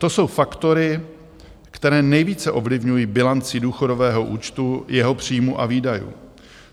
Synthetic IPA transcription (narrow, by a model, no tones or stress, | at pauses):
t̪o̞so̞wfakt̪o̞ɾɪ | kt̪ɛɾɛːnɛjviːt͡sɛʔo̞vlɪvɲujiːbɪlant͡sɪduːxo̞do̞vɛːɦo̞ʔuːt͡ʃt̪ujɛɦo̞pr̝̥iːmuʔaviːdajṵː